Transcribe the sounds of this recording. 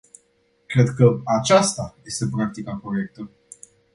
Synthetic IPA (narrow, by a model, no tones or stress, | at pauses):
kɾe̞d̪kəat͡ʃast̪aje̞st̪e̞pɾak̚t̪ikapɾoje̞k̚t̪ə